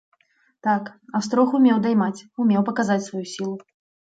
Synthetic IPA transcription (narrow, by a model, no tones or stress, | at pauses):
t̪akast̪ɾɔxumʲɛwd̪ajmat͡sʲumʲɛwpɐkazat͡sʲsvajusʲilˠu